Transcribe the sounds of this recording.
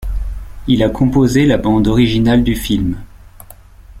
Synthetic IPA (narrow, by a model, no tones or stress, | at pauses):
ilakʰɔ̃pozelabɑ̃d̪ɔʁiʒinald̪yfilm